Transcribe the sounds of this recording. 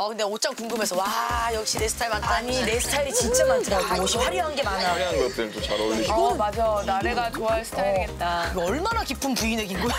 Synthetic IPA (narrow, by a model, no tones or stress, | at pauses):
ʌkɯnde̞ot͡ɕ͈aŋkuŋɡɯme̞sʰʌwajʌk̚ɕ͈ine̞sʰɯ̥tʰaɭmant͈aɲiɾe̞sʰɯ̥tʰaɾit͡ɕint͡ɕ͈ʰemantɯɾaooɕʰihaɾjʌɦanɡe̞manajokɾʌt͈etot͡ɕaɾoimad͡ʑajnaɾeɡat͡ɕoaesʰɯ̥tʰaaiɡe̞t̚t͈aɯɡʌɭmanakipʰɯmpuine̞ɡinɡo